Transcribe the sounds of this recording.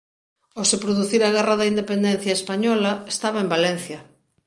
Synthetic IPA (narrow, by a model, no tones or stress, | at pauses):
osepɾoðuθiɾaɣɛraðɐind̪epend̪ɛn̟θjɐespaɲɔlɐe̥st̪aβaembalɛn̟θjɐ